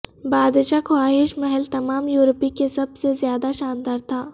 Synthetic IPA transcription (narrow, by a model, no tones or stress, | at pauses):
baːd̪ʃakʰoaːɦɪʃmɐɦəlt̪ɐmaːmjuːɾpikesɐbsezjaːd̪aʃaːnd̪aːɾt̪ʰaː